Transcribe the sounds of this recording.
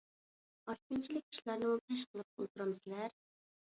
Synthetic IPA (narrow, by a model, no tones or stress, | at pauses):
ɑʃkʲint͡ʃʰilɪkʲi̥ʃlˠɑɾnɨpʰɛʃ̬qʰəlˠɨp̚ṵlˠt̪uɾɑmsɪlæɾ